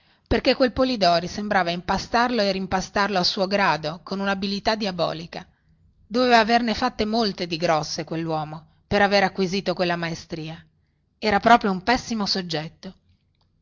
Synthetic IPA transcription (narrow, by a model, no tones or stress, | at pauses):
perkekːwelpolid̪ɔːɾisembɾaːvaimpast̪arloerimpast̪arloasːuːoɡɾaːd̪okonunabilit̪ad̪iabɔ̰ːlika | d̪oveːvaːvernefat̪ːemolt̪ed̪iɡɾɔsːekwelːwɔːmo | peɾaveɾakːwiziːt̪okwelːamaest̪ɾiːa | ɛːɾapɾɔːpɾjoumpɛsːimosod͡ʒːɛt̪ːo